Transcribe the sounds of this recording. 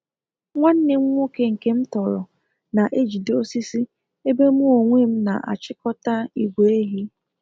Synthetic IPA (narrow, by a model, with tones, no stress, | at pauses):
ŋʷa˦n̩˦nɪ˦ŋ̩ʷ˦o˦ke˦ŋ̩˨ke˦m̩˦tɔ˨ɾɔ̰˨ | na˨ʔe˦d͡ʒi˨do˦si˦si˦ | e˦be˦mu˦o˨ŋʷe˦m̩˦na̰˨ʔa̰˨t͡ʃɪ˦kɔ˦ta˦i˨ɡʷe˨˦e˦ɦi˦